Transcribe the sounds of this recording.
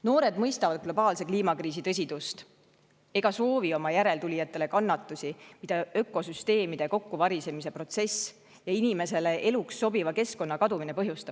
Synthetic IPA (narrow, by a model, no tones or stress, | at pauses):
no̞ːɾe̞d̪mɤjst̪ɑvɑd̪̥̚ɡ̥lo̞b̥ɑːlse̞kliːmɑkriːs̬it̪ɤ̞s̬ʲid̪̥ust̪ | e̞ɡ̥ɑso̞ːvio̞mɑjæɾe̞lt̪ulʲijɑt̪ːˑe̞le̞kɑnːɑt̪ːˑusʲimid̪̥ɑø̞kːˑo̞syst̪e̞ːmid̪̥e̞ko̞kːuvɑɾise̞mise̞pro̞t̪se̞s | jɑinime̞se̞le̞ʔe̞luksːo̞bivɑke̞sko̞nːɑkɑd̪umine̞pɤɦjust̪ɑb